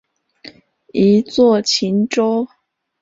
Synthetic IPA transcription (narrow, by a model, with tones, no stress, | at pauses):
i˧˥t͡swɔ˥˩t͡ɕʰi˧˥nʈ͡ʂo˥ʊ